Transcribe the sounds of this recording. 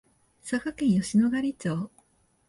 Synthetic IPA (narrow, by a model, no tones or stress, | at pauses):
sakakẽ̞ɰ̃joɕino̞ɡaɾʲit͡ɕoː